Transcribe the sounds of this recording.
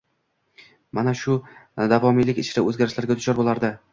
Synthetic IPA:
manaʃʊd̪avɒmilɪkʲɪt͡ʃʰɪɾaɵzɡʲaɾɪʃlaɾɡʲad̪ʰʊʃɒɾbolˠaɾd̪ɪ

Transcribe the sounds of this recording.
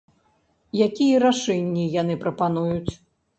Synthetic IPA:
jakʲijɐɾaʂɛnʲːijanɨpɾɐpanujut͡sʲ

